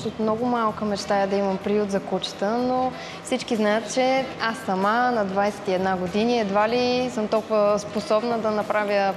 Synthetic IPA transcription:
ʃot̪mnɔɡʊmalˠkəmɛt͡ʃt̪ajəd̪ɐimɐmpɾijut̪zɐkut͡ʃə̥t̪əno | fsit͡ʃkiznajət̪t͡ʃɛasːɐmanɐd̪vajsɛ̥t̪iɛd̪naɡod̪iniɛd̪valisəmt̪ɔlˠkʊvəsposɔbnəd̪ɐnɐpɾavʲjə

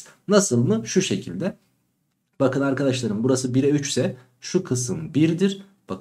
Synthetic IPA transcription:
nasɯlˠmɯʃuʃe̞cʰilʲd̪ɛ | bakɯnaɾkad̪aʃlˠaɾɯmbuɾasɯbiɾɛyt͡ʃsɛ | ʃukʰɯsɯnbiɾd̪iɾ̥ | b̥ak

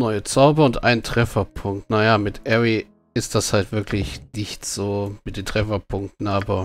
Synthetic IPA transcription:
nɔʏət͡saʊbɐʊntʔa̰ɪnntʁ̥ɛfɐpʰʊŋk̚tnajaːmɪtʔɛʁi | ɪst̚d̥ashaltv̥ɪɐklɪçnɪçtz̥oːmɪt̚d̥eːntʁ̥ɛfɐpʰʊŋk̚tn̩aːbɐ

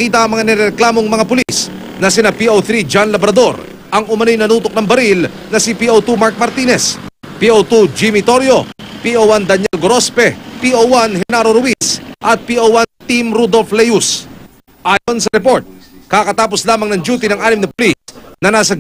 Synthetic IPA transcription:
ɐkiːt̪̬ɐɐŋmɐŋanɛɾɛɾɛklaːmo̞ŋmɐŋapʊlis | nɐsɪnapioθɾid͡ʒanlɐbɾɐd̪o̞ɾ | ɐŋʊmɐnojnɐnuːt̪ok̚nɐŋbɐɾil | nɐsɪpiʔowt̪umaɾk̚mɐɾt̪iːnɛspiot̪ud͡ʒimit̪o̞ɾjo̞piʔowand̪ɐɲjɛlɡoɾo̞spɛpiʔowanɦɛnaɾoɾʊwisʔɐt̪̚piʔowant̪imɾud̪o̞lflɛjus | ʔaːjo̞nsɐɾɛpo̞ɾt̪̚kakɐt̪aːpo̞slaːmɐŋnɐŋd͡ʒuːt̪inɐŋʔaːnɪmnɐpʊlisnɐnaːsɐ

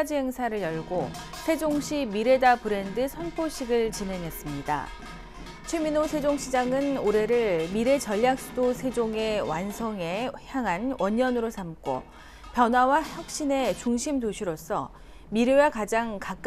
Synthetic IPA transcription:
d͡ʑiɦe̞ŋsʰaɾɯɭjʌɭɡosʰe̞d͡ʑoŋɕʰimiɾe̞dapɯɾe̞ndɯsʰʌnpʰoɕʰiɡɯɭt͡ɕine̞ŋɦes͈ɯmɲida̰ | t͡ɕʰweminosʰe̞d͡ʑoŋɕʰid͡ʑaŋɯnoɾe̞ɾɯɭmiɾe̞t͡ɕʌʎːjak̚s͈udosʰe̞d͡ʑoŋe̞wansʰʌŋe̞çjaŋɦanwʌɲʌnɯɾosʰamk͈o̰ | pjʌnɦwawaçjʌk̚ɕ͈ine̞t͡ɕuŋɕʰimtoɕʰiɾos͈ʰʌ | miɾjowakad͡ʑaŋkak͈

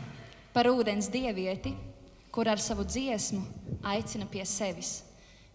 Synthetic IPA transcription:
paɾuːd̪ɛns̬d̪iɛviɛt̪i | kuɾaɾsavud̪ziɛsmuajt̪sinɐpiɛsɛvis

